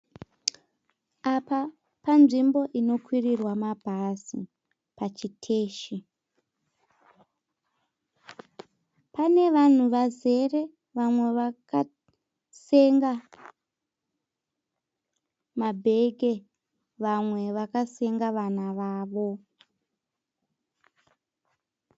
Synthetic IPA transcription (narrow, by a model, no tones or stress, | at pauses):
apa | panʐimbo̞ʔino̞kwirirwamabʱasḭ | pat͡ʃitʰe̞ːʃi | pane̞ʋan̤uʋaze̞re̞ | ʋamwe̞ʋaka | se̞ŋɡa | mabʱe̞ɡʱe̞ | ʋamwe̞ʋakase̞ŋɡaʋanaʋaːʋo̞